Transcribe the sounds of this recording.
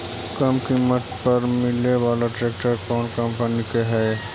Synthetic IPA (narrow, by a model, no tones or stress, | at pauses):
kəmkimət̪pəɾmɪleʋaːlaʈɾeːk̚ʈəɾkɔːnkə̃mpənikeɦɛː